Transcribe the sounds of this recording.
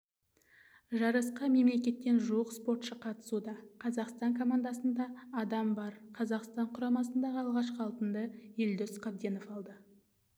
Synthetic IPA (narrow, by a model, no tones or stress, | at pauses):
ʒɑɾəsqəme̞mle̞kʲe̞t̪ːe̞nʒuwəqspo̞ɾt̪ʃəqʰɑt̪ə̥sud̪ɑqʰɑzɑqst̪ɑŋkʰo̞mand̪ɑsənd̪ɑːd̪ɑmbɑɾqʰɑzɑqst̪ɑɴqʰʊɾɑmɑsənd̪ɑʁəɑlˠʁɑʃqəɑlˠpənd̪əjeld̪ʏsqʰɑb̚d̪eno̞fɑlˠd̪ə